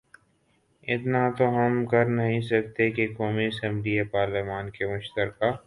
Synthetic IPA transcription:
ɪt̪nat̪oɦɐmkɐɾnɐɦĩsɐk̚t̪ekekɔːmiɐsɛ̃mbliepaːɾlɪmaːnkemʊʃt̪əɾkaː

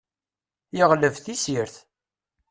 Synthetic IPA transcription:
jəʁləvθisiɾθ

